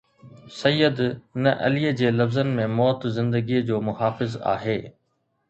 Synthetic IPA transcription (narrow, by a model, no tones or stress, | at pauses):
sɐjːəd̪nɐʔɐ̰liəd͡ʑeːlɐfzənɪ̆mẽmɔːt̪zɪ̃nd̪əɡiəd͡ʑoːmʊɦaːfɪza̰ːɦeː